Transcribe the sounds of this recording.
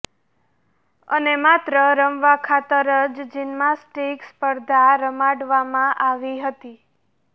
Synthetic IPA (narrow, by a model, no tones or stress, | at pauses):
ə̰nemat̪ɾəɾəmʋakʰat̪əɾəd͡ʒd͡ʒinmasʈikspəɾd̪ʱaɾəmaɖʋamãʔaʋiɦət̪i